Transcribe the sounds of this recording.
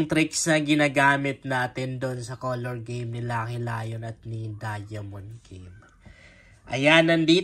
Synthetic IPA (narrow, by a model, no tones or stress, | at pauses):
ŋt̪ɾɪksnɐɡɪnaːɡaːmɪt̪̚naːt̪ɪnd̪o̞nsɐkoloɹɡejmnɪlakɪla̰ːjo̞nɐt̪̚nid̪ajɐmonɡem | ʔɐjanɐnd̪iː